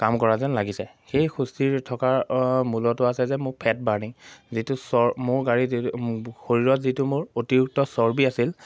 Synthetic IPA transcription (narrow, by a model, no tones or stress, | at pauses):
kamkɔɹazɛnlaɡisɛ | xejxustiɹtʰɔkaɹmulɔtʊasɛzɛmʊɹpʰɛt̚baɹniŋzitʊsɔmʊɹɡaɹi | xoɹiɹɔtzitumʊɹotiɹuk̚tɔsɔɹbiasil